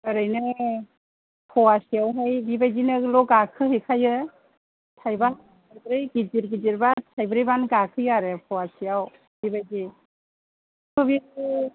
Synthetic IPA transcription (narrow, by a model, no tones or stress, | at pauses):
ɯɾɯjnɯ | pʰɔwasijawɦajbibajzinɯlɔɡakʰɯɦekʰajɯ | tʰajbaa | tʰajbɯɾɯjɡid͡ʒiɾɡiziɾbatʰajbɯɾɯjbanɡakʰɯjaɾɯpʰɔwasijaw | bibajzi | kʰɯbi